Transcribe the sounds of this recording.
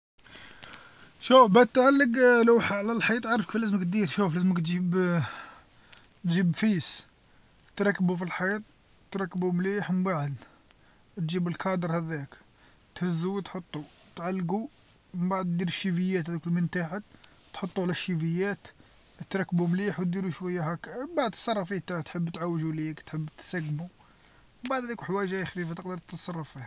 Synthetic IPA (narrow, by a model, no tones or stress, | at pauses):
ʃufbæt̪ʕalːəɡləwħaʕlælħajit̪ˤʕɑɾˤfkfilæzməkt̪̚d̪iɾʃuflæzəməkt̪ʒib | t̪ʒibfis | t̪ɾˤɑkːbufilħit̪̚ˤ | t̪ɾˤɑkːbumliħməmbaʕəd̪ | t̪ʒibəlkɑd̪əɾˤhæd̪æk | t̪həzːuwt̪ħot̪ˤːu | t̪ʕalːɡu | məmbaʕəd̪d̪iɾəʃːifəjːæt̪hæd̪ukəlmənt̪aʕa | t̪ħot̪ˤːuʕlæʃːivəjːæt̪ | t̪ɾˤɑkːbumliħwt̪̚d̪iɾuʃwæjːhækːbaʕd̪t̪sˤɑrˤːɑfit̪aʕt̪ħəbːt̪ʕawːʒulikt̪ħəbːt̪sæɡmu | mbaʕd̪hæd̪ikuħwæjʒæjxfifat̪əqd̪əɾt̪ːɑsˤɑrˤːɑfih